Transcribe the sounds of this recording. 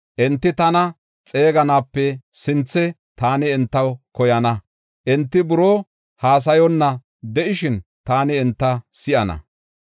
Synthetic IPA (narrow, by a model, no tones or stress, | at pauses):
ʔɛnt̪ːɪt̪ɐnɐ | t͡sʼe̞ːɡɐnaːpːɛsɪnt͡sːɛ | t̪aːnɪɛnt̪ːɐwkɔjɐnɐ | ʔɛnt̪ːɪbʊɾoː | haːs̬ɐjɔnːɐ | d̪ɛʔɪʃɪn | t̪aːnɪɛnt̪ːɐsɪʔɐnɐ̰